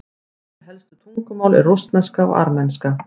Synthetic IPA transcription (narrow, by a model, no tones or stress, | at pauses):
hɛlst̪ʏ̥t̪ʰuŋkʏmaːwlɪ̰ɾrust̪naskaɔ̰ʔa̰ɾmɛnska